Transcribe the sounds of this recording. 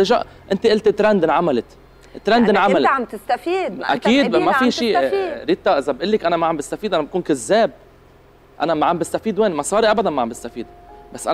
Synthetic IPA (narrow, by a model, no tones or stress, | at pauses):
ɪʒa̰ʔ | ʔɪnt̪eʔɪlt̪ɪt̪ːɾɛnd̪ɪnʕamalɪt̪ | ʔɪt̪ːɾɛnd̪ʔɪnʕammalamt̪ɪst̪afiːd̪ʔa̰kiːd̪mafiʃiːɾit̪ːaʔɪzabʔʊlːɪkʔanamaʕambɪst̪afiːd̪ʔanabkuːnkazːeːb̚ | ʔa̰namaʕambɪst̪afiːd̪weːnmɑsˤɑːɾiʔabad̪anmaʕambɪst̪afiːd̪basːʔa